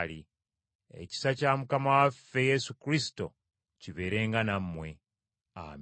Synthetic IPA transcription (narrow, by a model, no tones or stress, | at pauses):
li | e̞̰ci̥sacamukamawafːe̞je̞sukɾisi̥to̞̰ | ciβe̞ːɾe̞ːŋɡanamːwe̞ | a̰ːm